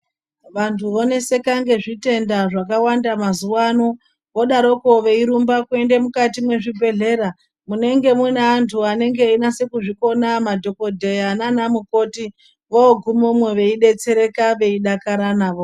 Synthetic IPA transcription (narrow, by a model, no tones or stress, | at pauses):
ʋantʰuʋo̞ne̞se̞kaŋɡe̞ʐite̞ndaʐakawandamazuwano̞ | ʋo̞ɗaɾo̞koʋe̞iɾumbakue̞nde̞mukatimwe̞ʐibʱe̞ɮe̞ɾa | mune̞ŋɡe̞munaːntʰuane̞ŋɡe̞inase̞kuʐiko̞namadʱoko̞dʱe̞jananamuko̞ti | ʋoɡʱumomweʋe̞iɗe̞t͡se̞ɾe̞kaʋe̞iɗakaɾanaːʋo